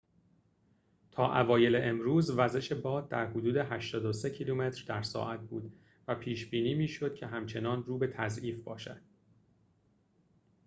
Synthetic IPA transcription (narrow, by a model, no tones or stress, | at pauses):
t̪ʰɒːʔævɒːje̞leʔemɾuːzvæze̞ʃe̞bɒːd̪̚d̪æɾhod̪uːd̪eɦæʃt̪ɒːd̪ose̞cʰiluːme̞t̪ʰɾd̪æɾsɒ̰ːʔæt̪̚bṵːd̪ | væpʰiːʃbiːniːmiːʃo̞d̪̥̚cʰe̞ɦæmt͡ʃʰe̞nɒːnruːbe̞t̪ʰæzʔiːfbɒːʃæ̰d̪̥̚